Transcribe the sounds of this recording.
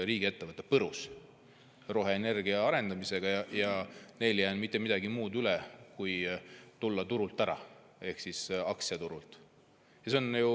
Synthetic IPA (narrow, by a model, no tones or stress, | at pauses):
ɾiːɡ̥ie̞t̪ːe̞vɤt̪ːˑepɤɾus | ro̞ɦe̞ːne̞rɡ̥iɑɑɾe̞nd̪̥ɑmise̞ɡ̥ɑjɑjɑne̞jljæːnmit̪ˑːe̞mid̪̥ɑɡimuːd̪ylɛkujt̪ulːɑt̪uɾult̪ˑæɾɑ̰ | e̞hksisɑksiɑt̪uɾult̪ˑ | jɑseo̞nju